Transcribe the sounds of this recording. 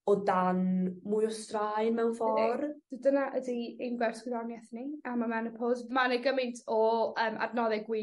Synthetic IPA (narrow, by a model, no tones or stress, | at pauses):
ɔdanmʊjɔstraɨnmɛwnvɔrd̥dənaʔədienɡwɛrskwɪðanjɛθniamamɛnəpʰɔzmaneɡəmɨntʰɔəːmʔa̰dnɔðɛɡwi